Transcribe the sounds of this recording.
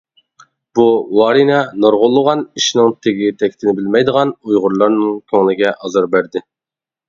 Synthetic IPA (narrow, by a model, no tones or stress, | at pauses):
b̥uwɑːɾinɛnoɾʁʊlˠːəʁɑniʃnɪŋt̪ʰeɡʲit̪ʰɛkʲt̪ʰɪnɪbɪlmɛjd̪əʁɑnujʁʊɾlˠɑɾnɨŋkʲʰøŋlˠɪɡʲɛʔɑzɑɾbæɾd̪ɪ